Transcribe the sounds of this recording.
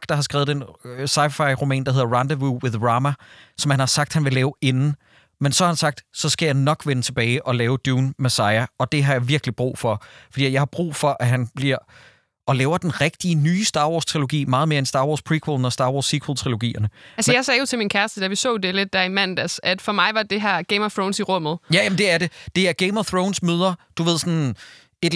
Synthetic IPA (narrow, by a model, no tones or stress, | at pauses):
ɡ̥d̥ɑ̈hɑ̈sɡ̥ʁɛ̰ːʊð̩ˠensɑ̈ɪfɑ̈ɪʁumɛ̰ːnd̥ɑhe̝ð̰ˠɐʁɑnd̥əʋuwe̝ðˠʁɑːmæsɒ̽mhænhɑ̈sɑ̈ɡ̥̚d̥hænʋe̝lɛːʊenn̩ | mensɒ̽hɑ̈hænsɑ̈ɡ̥̚d̥sɒ̽sɡ̥æjɑ̈ɪnɒ̽ɡ̥ʋenət͡sʰe̝b̥ɛːɪʔɒ̽lɛːʊd̥juːnmæsɑ̈ɪæɒ̽d̥e̝ɦɑ̈jɑ̈ɪʋiɐɡ̥lib̥ʁṵːfɒ̽fɒd̥ḭjɑ̈ɪhɑ̈b̥ʁṵːfɒ̽ʔæɦænb̥liɐ̰ | ɒ̽lɛːʊɐd̥enʁeɡ̥d̥iənyːsd̥ɑ̈ːʋɒːst͡sʰʁilo̝ɡ̥ḭːmɑ̈ːð̞̩ˠmeːɐensd̥ɑ̈ːʋɒːspʰʁiːkʰwelnɒsd̥ɑ̈ːʋɒ̰ːsːikʰwəlt͡sʰʁilo̝ɡ̥ḭːɐnəælsəjɑ̈ɪsɛːjo̝t͡sʰe̝lminkʰæɐsd̥əd̥æʋisɔ̰̽ːd̥e̝led̥ːæɐimænd̥æsæd̥fɒ̽mɑ̈ɪʋɑ̈d̥e̝ɦæɐ̰ɡ̥eɪmɒθʁɔʊnsiʁɔ̽m̰ð̞̩ˠjæjæmn̩d̥e̝æɐde̝d̥e̝æɐɡ̥eɪmɒθʁoʊnsmøːð̞ˠɐd̥uʋe̝ð̞̰ˠsɒ̽n | e̝d